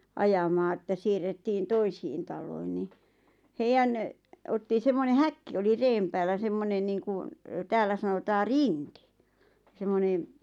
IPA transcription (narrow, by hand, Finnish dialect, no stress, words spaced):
ɑjɑmɑː etːæ siːrːetːiːn toisiːn tɑlˑoin ni heijæn otːi semːone hækːi oli reːm pæːlːæ semːonen niːŋku tæːlːæ sɑnotɑː riŋki̥ semːonen